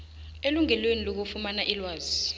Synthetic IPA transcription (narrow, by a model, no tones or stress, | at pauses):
eluŋɛlwenilok̬ufumanaʔilwaːzi